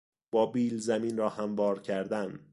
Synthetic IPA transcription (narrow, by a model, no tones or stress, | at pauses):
b̥ɒːbiːlzæmiːnɾɒːhæmvɒːɾcʰæɾd̪æn